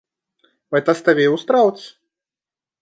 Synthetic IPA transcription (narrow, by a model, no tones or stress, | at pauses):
vɛt̪ast̪ɐvʲejwst̪ɾawt̪sʲ